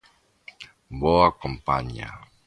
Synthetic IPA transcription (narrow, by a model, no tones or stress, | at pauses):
boakompa̰ɲa̰